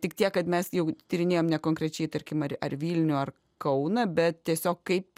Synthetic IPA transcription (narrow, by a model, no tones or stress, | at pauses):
tʲɪkt̪ʲiɛkkɐt̪mʲɛsjɛʊt̪ʲɪɾʲɪnʲeːjoːmnʲɛkoːŋkɾʲɛt͡ʃʲɛɪt̪ɐɾʲkʲɪmɐɾɐ̰rʋʲiːlʲnʲʊɐr | kɐʊnɐbʲɛt̪t̪ʲiɛsʲoːkkɐɪp